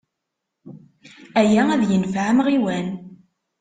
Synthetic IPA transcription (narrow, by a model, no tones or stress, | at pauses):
æjææðjənfʕmʁiwæn